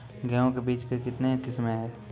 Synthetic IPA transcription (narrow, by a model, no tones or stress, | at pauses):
ɡɛõkebiːt͡ʃkekɪt̪nekɪsmẽɦɛː